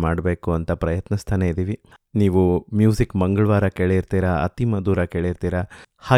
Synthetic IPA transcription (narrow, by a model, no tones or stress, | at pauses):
maːɖbeːkuɐnt̪ɐpɾɐjɐt̪nɐst̪ʰɐneid̪iːʋi | niːʋumjuːzikmɐŋɡɐɭʋaːɾɐkeːɭeiɾt̪iːɾɐɐ̰t̪imɐd̪uːɾɐkeːɭeiɾt̪iːɾɐhaː